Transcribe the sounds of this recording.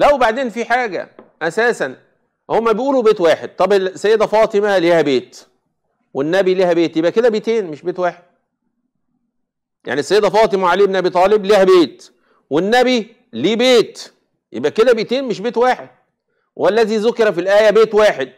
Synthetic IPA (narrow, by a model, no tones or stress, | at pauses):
læwebaʕd̪eːnfiħaːɡæ̰ʔæsæːsæn | homːæbejʔuːlubeːt̪waːħed̪̚t̪ˤɑbesːæjːed̪æfɑːt̪ˤemæliːhæbeːt̪ | wenːæbiliːhæbeːt̪jebʔæked̪æbet̪eːnmeʃbeːt̪waːħed̪̥̚ | ja̰ʕnisːæjed̪æfɑːt̪ˤemæʕaleːebnʔæbiːt̪ˤɑːlebliːhæbeːt̪ | wenːæbi | liːbeːt̪ | jʔebʔæked̪æbet̪eːnmeʃbeːt̪waːħed̪̥̚ | wʔælːæziːzʊkeɾɑfilʔæːjæbeːt̪waːħed̪̚